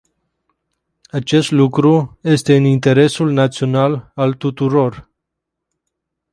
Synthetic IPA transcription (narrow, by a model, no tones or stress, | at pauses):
at͡ʃe̞st̪lukɾuje̞st̪e̞ɨnint̪e̞ɾe̞sulnat̪sio̞nalalt̪ut̪uɾo̞r